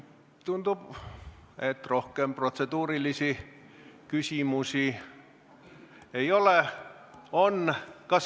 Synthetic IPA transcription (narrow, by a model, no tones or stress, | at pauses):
t̪unt̪u | et̪rohkemprot̪set̪uːrilisi | kysiˑmusi | eiole | onkɑs